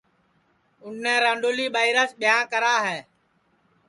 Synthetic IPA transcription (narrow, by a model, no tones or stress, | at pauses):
ʊn̤ːɛ̃ːɾãːɖoːliːɓaːɪɾəsɓɪjãːkəɾaːɦɛː